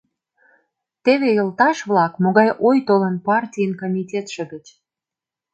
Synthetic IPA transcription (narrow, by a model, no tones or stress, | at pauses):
t̪eβejəlt̪ɑʃβlɑkmoɣɑjʔojt̪olə̆npɑrtʲijənkomʲitʲet̪ʃə̆ɡə̆t͡ɕ